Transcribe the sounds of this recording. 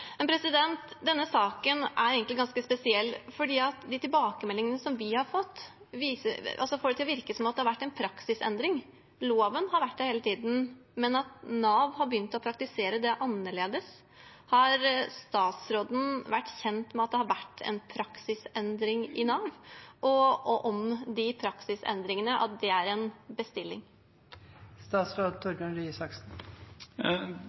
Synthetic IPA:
mɛnpʰɾɛsɪd̪ɛnt̪d̪ɛnːəsɑːkənʔæɾeɡənlɪɡɑnskəspɛsɪɛlːfɔɖiːɑt̪d̪ɪt̪ɪlbɑːkəmɛlːɪŋənəsɔmʋɪhɑɾfɔt̪ː | ʋiːsəɑ̰lsɔfoːɾɖət̪ɪlɔʋɪɾkəsɔmɑt̪d̪ɛhɑɾʋæʈːɛɪnpʰɾɑksɪsɛ̰nd̪ɾɪŋ | loːʋənhɑɾʋæʈːd̪ɛheːlət̪ʰiːd̪n̩mɛnɑt̪nɑːʋhɑɾbəjʏnt̪ɔpʰɾɑk̚t̪ɪseːɾəd̪ɛʔɑnːəɭeːd̪əs | hɑɾst̪ɑːt̪sɾoːd̪n̩ʋæʈːçɛnt̪mɛɑt̪̚d̪ɛhɑɾʋæʈːɛ̰npʰɾɑksɪsɛnd̪ɾɪŋɪnɑːʋʔɔɔʔɔmd̪ɪpʰɾɑksɪsɛ̰nd̪ɾɪŋənəʔɑ̰t̪̚d̪ɛæɾɛnbəst̪ɪlːɪŋ | st̪ɑːt̪sɾoːd̪t̪ʰɔɾɡənɾyːsɑksn̩

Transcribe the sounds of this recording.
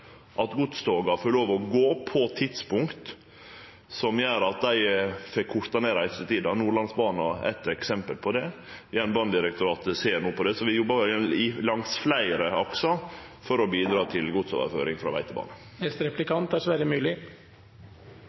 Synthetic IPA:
ʔɑt̪ɡʊt̪st̪oːɡɑfɔloːʋɔɡoːpʰɔt̪ʰɪt̪spʊŋkt̪ | sɔmjøːɾɑt̪̚d̪æɪfɛkʰːʊɾt̪ɑneːɾɑɛst̪ət̪ʰiːd̪ɑnuːɭɑnsbɑːnɑɛ̰t̪ɛksɛmpəlpʰɔd̪ɛ | ʋɪænbɑnd̪ɪɾɛk̚t̪ʊɾɑːt̪seːɾnuːəpʰɔd̪ɛsɔʋɪjɔbːɑʊɪlɑŋsflæɪəɾəɔksɔfɔɾɔbiːd̪ɾɑːt̪ʰɪlɡʊt̪so̰ːʋə̰ɾfø̰ːɾɪŋfɾɑ̰ʋæ̰ɪt̪əbɑ̰ːnə | ɛst̪ɾɛplɪkʰɑnt̪æʂʋæɾəmʉːlɪ

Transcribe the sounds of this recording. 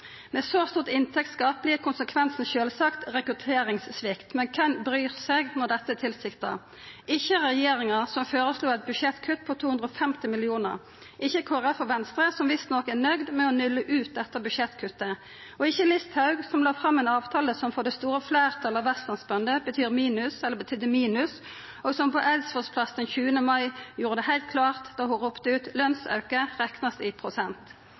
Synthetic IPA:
mɛːsoːst̪uːʁt̪ɪnt̪ʰɛk̚t̪skɑːplɪəkʰʊnsəkʰʋɛnsn̩ʃøːlsɑkt̪ʁɛkʉt̪ʰeːɾɪŋssʋɪkt̪mɛnkʰɛnbɾyːʁsɛɡnɔd̪ɛt̪ːəæt̪ʰɪlsɪkt̪ɑ | ɪçːəʁɛjeːɾɪŋəʁsɔmføːɾəsluːɛt̪̚bʉʃɛt̪kʰʉt̪ːpʰɔt̪ʰuːʉnd̪ɾəɔːfɛmt̪ɪmɪlɪuːnə̰ʁ | ɪçːəkʰoːʁɛfɔʋɛnst̪ʁəsɔmʋɪst̪nɔkæʁnœɡd̪mɛɔnʏlːəʔʉːt̪̚d̪ɛt̪ːəbʉʂɛt̪kʰʉt̪ːə | ɔɪçːəlɪst̪hɑʉɡsɔmlɑːfɾɑmːɛnɑːʋt̪ʰɑːləsɔmfɔd̪ɛst̪uːɾəflæːʁt̪ʰɑlɑʋɛst̪ɑnsbœnd̪əbət̪ʰyːʁmiːnʉsɛlːəbət̪ʰyːd̪əmiːnʉs | ɔsɔmpʰɔʔɛlsfɔspʰlɑsd̪ɛnçʉːənəmɑɪjuːɾəd̪ɛɦæɪlt̪̚kʰlɑːʁt̪d̪ɑːhʊʁupt̪əʉːt̪lœnsɑ̰ʉkəʁɛknɑsɪpʰʁʊsɛnt̪

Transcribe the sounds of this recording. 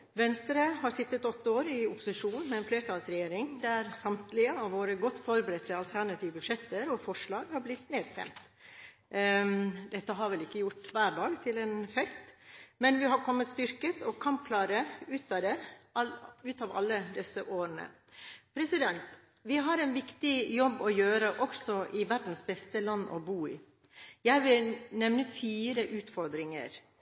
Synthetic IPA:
ʋɛnst̪əɾəɦɑɾsɪt̪ːət̪ɔt̪ːəoːɾɪʊpːʊ̥sɪʂuːnmɛɛːnfleːɾʈʰɑːlsɾɛjeːɾɪŋd̪æɾsɑmt̪lɪəɑʋoːɾəɡɔt̪ːfɔɾbəɾɛt̪ʰːɪɑlt̪ʰæɾɳɑt̪ʰiːʋbʉʂɛt̪ːəɾɔfɔʂlɭɑːɡhɑɾblɪt̪ːneːd̪st̪ɛ̰mt̪ | d̪ɛt̪ːəɦɑɾʋɛlɪkːəjʊʈʋæːɖɑːɡt̪ʰɪlɛːnfɛst̪mɛnʋɪɦɑɾkʰɔmːət̪st̪ʏɾkət̪ʰɔkʰɑmp̚kʰlɑːɾəʉːt̪ɑd̪ɛ | ʉːt̪ɑʋɑ̰lːəd̪ɛsəʔoːɾənə̰ | pʰɾɛsɪd̪ɛnt̪ | ʋɪɦɑɾɛnʋɪkt̪ɪjɔbːɔjøːɾəʔɔksɔʔɪʋæɾɖ̪n̩sbɛst̪əlɑnːʔɔ̰buːɪ | jæɪʋɪlnɛmnəfiːɾəʔʉːt̪fɔɾd̪ɾɪŋə̰ɾ

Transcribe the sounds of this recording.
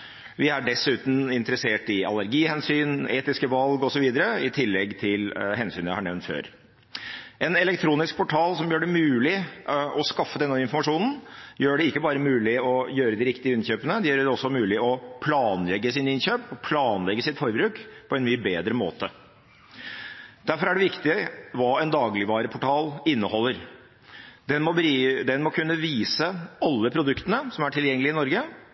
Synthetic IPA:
ʋɪæɖɛsʉːt̪n̩ɪnt̪əɾəseːʈɪɑ̰læɾɡiːhɛnsyːneːt̪ɪskəʋɑlɡɔsɔʋiːd̪əɾəɪt̪ʰɪlːɛɡt̪ʰɪlɦɛnsyːnjæɪhɑɳɛʋnt̪fø̰ːɾ | ɛnɛlɛkt̪ʰɾuːnɪsk̚pʰɔʈʰɑːlsɔmjøːɖɛmʉːlɪʔɔskɑfːəd̪ɛnːəɪnfɔɾmɑʂuːnn̩jøːɖɛɪkːəbɑːɾəmʉːlɪɔjøːɾəd̪ɪɾɪkt̪ɪəɪnçøːpənəd̪ɛjøːɾəɖɛɔsːɔmʉːlɪɔpʰlɑːnlɛɡːəsɪnɪnçøːpɔpʰlɑːnlɛɡːəsɪt̪fɔɾbɾʉːkpʰɔɛnmyːəbeːd̪ɾəmo̰ːt̪ə | d̪̥æɾfɔɾæɖɛʋɪkt̪ɪʋɑːɛnd̪ɑːɡlɪʋɑːɾəpʰʊʈʰɑːlɪnːəhɔlːəɾ | d̪ɛnmɔbɾid̪ɛnmɔkʰʉnːəʋiːsəɑlːəpʰɾʊd̪ʉkt̪ənəsɔmæʈʰɪljɛŋːəlɪɪnɔɾɡə

